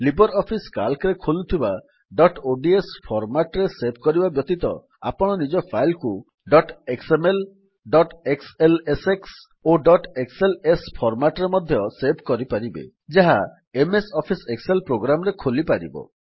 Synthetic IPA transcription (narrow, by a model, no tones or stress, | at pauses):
libɔɾɔpʰiskalkɾekʰolut̪ʰiba | ɖɔʈoɖiespʰɔɾmaʈɾesep̚kɔɾibabjɔt̪it̪ɔ̰ | a̰pɔɽ̃ɔnid͡ʒɔpʰajlku | ɖɔʈeksemel | ɖɔʈekseleseks | oɖɔʈekselespʰɔɾmaʈɔɾemɔd̪ʱjɔsebkɔɾipaɾibḛ | d͡ʒaɦa | emesɔpʰisekselpɾoɡɾamɔɾekʰolipaɾḭbɔ̰